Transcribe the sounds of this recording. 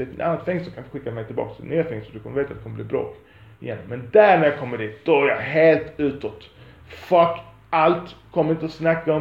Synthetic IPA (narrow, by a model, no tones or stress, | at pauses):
ɪt̪nanːat̪fɛŋːsɔkʰanɪt̪ɧɪkːamɛɪjt̪ʰɪlbɑ̰ːkst̪ʰɪɪ̰nyːafɛŋːstsɔd̪ɵkʰɔmːəveːt̪atd̪̥ɛkʰɔməbliːbɾɑ̰ːk | ɪ̰jɛ̰nːmɛnd̪æɾɳæɾjakʰɔmːədiːt̪̚d̪̥ɔæɾja̰ɦeːlt̪ʉ̟ːt̪ɔt̪ | fak | alt̪kʰɔmːɾɪnt̪əɔsnakːaɔ